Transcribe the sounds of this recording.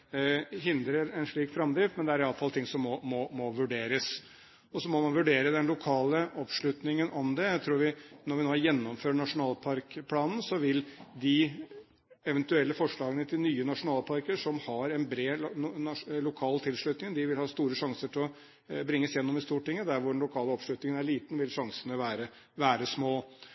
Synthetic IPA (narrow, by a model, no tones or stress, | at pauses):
ɦɪnd̪ɾəɾɛnʂɭiːkfɾɑmd̪ɾɪːfmɛnd̪ɛæɾɪɑləfɑlt̪ʰɪŋsɔmːɔmɔmɔʋʉɖeːɾəs | ɔsɔmɔmɑnʋʉɖeːɾəd̪ɛnlʊkʰɑːləʔɔpʂɭʉt̪nɪŋənʔɔmd̪ɛæt̪ʰɾuːɾʋɪnɔɾʋɪnoːjɛnːɔmføːɳɑʂʊnɑːlpʰɑɾkpʰlɑːnn̩sɔʋɪld̪ɪ | ɛʋɛnt̪ʉɛlːəfɔʂɭɑːɡənət̪ʰɪlnyːənɑʂʊnɑːlpʰɑɾkəʂɔmhɑɾɛnbɾeː | lʊkʰɑːlt̪ʰɪlʂlʉt̪nɪŋənd̪ɪʋɪlhɑːst̪uːɾəʂɑŋsəʈʰɪlɔ | bɾɪŋːəsjɛnːɔmɪst̪uːʈːɪŋːəd̪æɾʋʊɖɛnlʊkʰɑːləɔpʂlʉt̪nɪŋənæɭiːt̪n̩ʋɪlʂɑŋsənəʋæːɾə | ʋæːɾəsmoː